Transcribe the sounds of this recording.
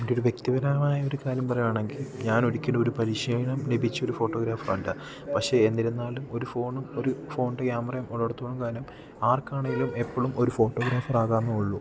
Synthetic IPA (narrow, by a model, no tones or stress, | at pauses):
undioɾuʋjek̚t̪iʋɐɾaːɐmaːjɐo̞ɾukaːɾjɐmpɐrɐjaːɳe̞ŋɡilɲaːnoɾikʲːunɖɐo̞ɾupɐɾiɕeːjɳɐmnebʱit͡ɕːɐoɾufo̞ːʈːo̞ːɡɾaːfɐrːuɳɖɨ | pɐkʂe̞ːnːilenːaːlumo̞ɾufo̞ːɳumo̞ɾufo̞ːɳɖɐkjaːmɐrɐjɐmʔoɭːoɽɐt̪ːuoɳːumkaːɾjɐm | aːrkaːɳɐŋilume̞pːoːɭumʔo̞ɾufo̞ːʈːo̞ːɡɾaːfɐraːɣaːnːɐuɭːu